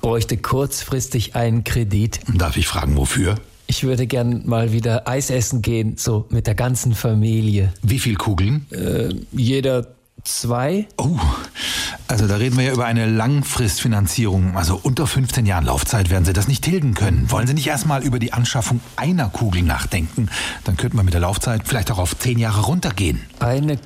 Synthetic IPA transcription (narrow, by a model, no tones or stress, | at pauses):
b̥ʁɔʏçtəkʰʊɐt͡sfʁ̥ɪstɪçʔaɪnənkʁ̥ediːtd̥a̰ɐfɪçfʁ̥a̰ːɡŋ̩vo̰fyːɐ | ʔɪçv̥ʏɐdəɡɛɐnmaːlviːdɐʔaɪsʔɛsn̩ɡeːənz̥oːmɪt̚d̥eːɐɡant͡sn̩famiːljəviːfiːlkʰuːɡl̩nʔɛ̰ːjeːdɐ | t͡sv̥aɪʔoː | ʔalzodaːʁeːdn̩viːɐjaːʔyːbɐʔaɪnəlaŋfʁ̥ɪstfinant͡siːʁ̞ʊŋʔalzoʔʊntɐfʏnft͡seːnjaːʁənlʔa̰ʊft͡saɪtveːɐdn̩ziːdasnɪçtʰɪldn̩kʰœnənvɔlənziːnɪçtʔeːɐstmaːlʔyːbɐdiːʔanʃafʊŋʔaɪnɐkʰuːɡl̩na̰ːχd̥ɛŋkŋ̩d̥ankʰœntəmanmɪtd̥eːɐlaʊft͡saɪtfɪlaɪçtaʊxaʊft͡seːnjaːʁəʁʊntɐɡḛːənʔaɪnə